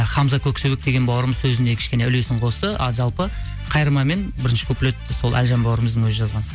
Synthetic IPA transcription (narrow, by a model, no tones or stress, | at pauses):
χɑmzɑkʲʰɵksɵwek̚d̪e̞ɡʲe̞nbɑwəɾəməzsɵzɪne̞kʲʰɪ̥ʃkʲe̞neʏle̞sɪɴqʰo̞st̪ə̰ʒɑlˠpə | qʰɑjɾmɑme̞nbɪɾɪnʃɪ̥kʰʲɵplet̪ːɪso̞lˠʔæ̰lʒɑmbɑwɾəməzd̪əŋwɵzɪʒɑzʁɑn